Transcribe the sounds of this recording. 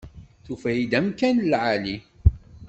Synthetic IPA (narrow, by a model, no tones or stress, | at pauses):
θufæjid̪æmkænlʕali